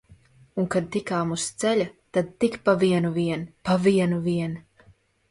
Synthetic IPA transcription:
uŋkad̪̚t̪ikaːmust̪sɛʎʲat̪ad̪̚t̪ikpaviɛnuviɛnpaviɛnuviɛn

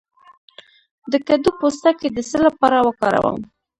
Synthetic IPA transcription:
d̪əkad̪upost̪aked̪əsəlapɑɾawəkɑɾa̰wə̰m

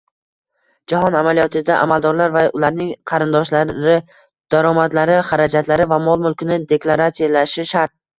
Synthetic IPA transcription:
d͡ʒahɒnamalijɒt̪ʰɪd̪aʔa̰malˠd̪ɒɾlaɾvaʊlaɾnɪŋqʰɑɾɪnd̪ɒʃlaɪ | d̪̥aɾɒmad̪laɾɪχaɾad͡ʒat̪ʰlaɾɪvamɒlˠmʊlˠkʰʲɪnɪd̪e̞klˠaɾat̪sijalaʃɪʃaɾt̪̚

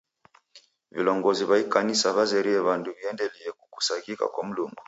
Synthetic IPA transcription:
vilɔŋɡɔziβaikanisaβazɛɾiɛβanduβiɛndɛlɛɛkuku̥sakika̰kwam̩lumbɔ

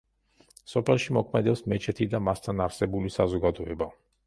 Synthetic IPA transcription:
sɔpʰɛlˠʃimɔkʰmɛd̪ɛpsmɛt͡ʃʰɛt̪ʰid̪amast̪ʰanaɾsɛbulisazɔɡad̪ɔɛba

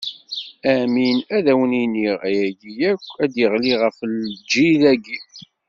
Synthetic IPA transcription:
æminæðæwəniniʁæjæɡijækʷːæd̪jəʁliʁəfld͡ʒːilæɡi

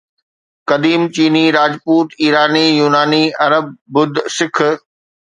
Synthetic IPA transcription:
kɐd̪iːmt͡ɕiːniɾaːd͡ʑpuːt̪iːɾaːnijuːnaːniɐɾəb̚ːʊd̪ʱsɪkʰ

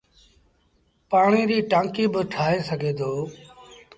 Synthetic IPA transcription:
paːɳiːɾiːʈãːŋkiːbəʈʰaːeːsəɡʱeːd̪ʱoː

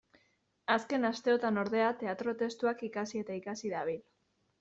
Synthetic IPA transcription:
aske̞nast̪e̞o̞t̪ano̞ɾðe̞at̪e̞at̪ɾo̞t̪e̞st̪uakikasie̞t̪aikasiðaβ̞il

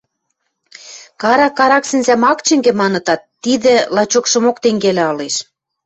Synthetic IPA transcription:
kɑɾɑkːɑɾɑksɘ̆nzæmɑkt͡ɕɘ̆ŋɡĕmɑnɤ̆t̪ɑt̪ːiðĕlɑt͡ɕokʃɤ̆mokt̪eŋɡelæɑleʃ

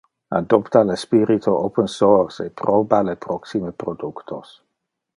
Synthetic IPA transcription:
a̰d̪ɔpt̪alespiɾit̪ʰoʔopənsoɾsḛpɾobalepɾɔksimepɾod̪ukt̪ʰo̰s

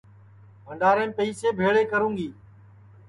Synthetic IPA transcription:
bʱəɳɖaːɾẽːmpəiːseːbʱeːɭeːkəɾũːŋɡiː

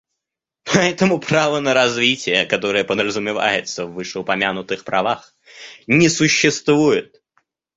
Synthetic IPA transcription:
pʰɐɛt̪əmʊpɾavənəɾɐzvʲitʲɪjəkɐt̪o̞ɾɨjəpəd̪ɾəzʊmʲɪva̰jɪt̪səvːɨʂɨʊpɐmʲanʊt̪ɨxpɾʔɐvax | nʲɪsʊɕːɪst̪vujɪt̪̚

